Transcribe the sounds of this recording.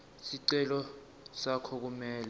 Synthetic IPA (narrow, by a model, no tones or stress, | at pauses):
siǀɛlɔ | sakʰɔk̬umɛːlɛ